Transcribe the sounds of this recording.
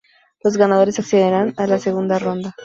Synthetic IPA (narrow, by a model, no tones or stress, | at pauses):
lo̞zɣanaðo̞ɾesakθeðeɾanalase̞ɣund̪aro̞nd̪a